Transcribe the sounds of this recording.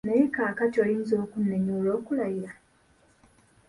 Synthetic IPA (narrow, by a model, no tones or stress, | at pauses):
nejekaːkatioliːnzo̞ːkunːeɲuːlo̞ːkulajiɾa